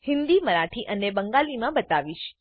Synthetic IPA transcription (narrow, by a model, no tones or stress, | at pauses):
hɪnd̪iməɾaʈʰiʔənebəŋɡalimãbət̪aʋiʃ